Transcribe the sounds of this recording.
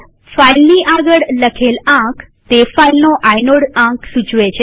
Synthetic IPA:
fajlniʔaɡəɭləkʰelãk | t̪efailnoʔajnoɽãksud͡ʒʋet͡ʃʰe

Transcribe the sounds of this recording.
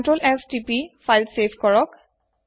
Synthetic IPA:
nʈɹolɛkstipifajlsebʰʱkɔɹɔk

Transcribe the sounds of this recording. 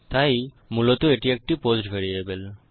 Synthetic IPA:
t̪aj | mulot̪oeʈiek̚ʈiposʈbʱeɾiebel

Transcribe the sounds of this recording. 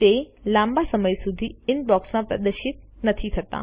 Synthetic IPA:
t̪elãmbasəməjsud̪ʱiɪnbɔksmãpɾə̰d̪əʃɪt̪̚nət̪ʰit̪ʰət̪a̰

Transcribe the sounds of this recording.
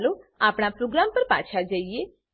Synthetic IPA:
loapɽ̃apɾoɡɾampəɾpa̰t͡ʃʰad͡ʒəie

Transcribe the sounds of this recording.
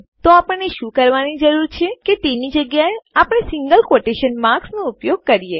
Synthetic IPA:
t̪oapəɳːeʃũkəɾʋanid͡ʒəɾuɾt͡ʃʰeket̪enid͡ʒəɡjaeapɽ̃esɪŋɡəlkoʈeʃənmaɾksnoupjoɡ̚kəɾije

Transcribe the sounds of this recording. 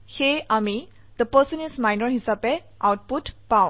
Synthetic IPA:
heami | d̪̥əpəsənismajnəɹɦisape | ʔawʈ̚puʈpaw

